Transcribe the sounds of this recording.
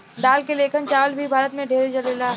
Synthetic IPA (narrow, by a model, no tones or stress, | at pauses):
ɖ̪aːlkeleːkʰənt͡ʃaːʋəlbʱibʱaːɾət̪mẽɖʱeːɾet͡ʃɐlelaː